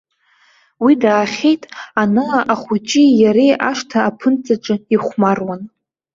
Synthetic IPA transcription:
widaːχʲejtʼanaʔaχʷut͡ʃʼijaɾejʔaʂtʰaːpʰɨnt͡sʼaʈ͡ʂʼɨiχʷmarwan

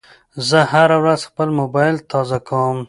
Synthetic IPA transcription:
zəhaɾawɾazxpəlmobɑjlt̪ɑzakʰawəm

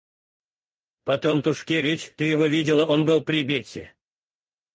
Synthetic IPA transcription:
pɐt̪omt̪uʂkʲevʲɪt͡ɕʲt̪ɨjɪvovʲidʲɪlˠəonbɨlˠprʲibʲet͡sʲḛ

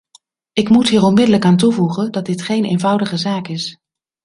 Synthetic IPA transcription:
ɪkmutɦiːɹɔnmɪdələkaːntuvuχəndɑdɪtχejnḛjnvʌwdəχəzaːkɪs

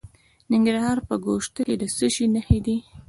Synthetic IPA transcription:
nɪŋɡɾahɑɾpəɡoʃt̪əked̪əsəʃinəhed̪i

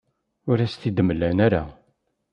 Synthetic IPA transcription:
ʊɾæst̪id̪məlːænæɾa̰

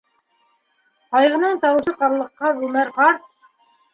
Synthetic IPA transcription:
qɑjʁɤ̆nɤɴt̪ɑwɤ̆ʃɤqɑɾlˠɤ̆qːɑʁʉmæɾqɑɾt̪

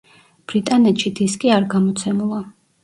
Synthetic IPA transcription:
b̥ɾit̪ʼanɛt̪ʃid̪iskʼiaɾɡamɔt̪sʰɛmulˠa

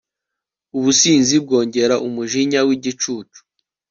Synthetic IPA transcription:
uβusiːnzib̚ɡo̞ːɲɟe̞ɾaʔumuʒiɲawiɟit͡ʃuːt͡ʃu̥

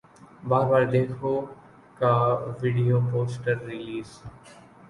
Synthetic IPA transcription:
baːɾbaːɾd̪eːkʰo | kaʋiɖijopoːsʈəɾːɪliːz

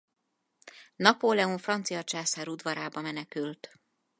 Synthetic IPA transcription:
nɒpoːlɛuɱfrɒnt̪sijɒt͡ʃaːsaːɾud̪ʋɒɾaːbɒmɛnɛkylt̪

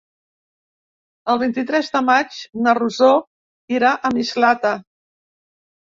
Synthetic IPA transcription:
əlˠβ̞int̪it̪ɾɛzðəmad͡ʒnəruzo | iɾaʔəmizlat̪ə

